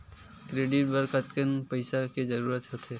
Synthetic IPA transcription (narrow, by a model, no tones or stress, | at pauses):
kɾeːɖɪʈ̚bəɾkət̪kənpəɪsaked͡ʒəɾuːɾət̪ɦot̪ʰɦe